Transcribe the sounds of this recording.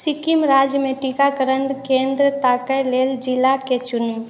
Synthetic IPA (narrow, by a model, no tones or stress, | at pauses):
sikimɾad͡ʒjəmẽʈikakəɾənd̪kẽːnd̪ɾət̪akəjleːld͡ʒɪlaket͡ʃʊnm